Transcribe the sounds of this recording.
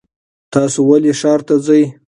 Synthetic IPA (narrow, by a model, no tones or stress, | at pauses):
t̪ɑsowaleʂɑɾt̪azəj